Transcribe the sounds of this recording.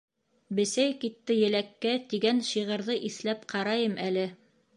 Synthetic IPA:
bɘ̆sæjkit̪ːɘjɘ̆lækːæt̪iɡænʃiʁɤ̆ɾðɤʔiθlæpqɑɾɑjɤmʔælɘ

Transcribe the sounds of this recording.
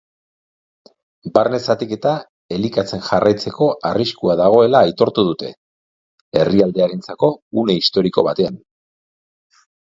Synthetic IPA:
baɾne̞sat̪ike̞t̪a | e̞likat͡se̞nʝarajt͡se̞ko̞ʔariskuaðaɣ̞o̞e̞laːjt̪o̞ɾt̪uð̞ut̪e | e̞riald̪e̞aɾe̞nt͡sako̞une̞ist̪o̞ɾiko̞̰β̞at̪e̞an

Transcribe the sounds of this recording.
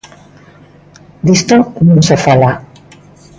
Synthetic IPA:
d̪ist̪onõnsefala

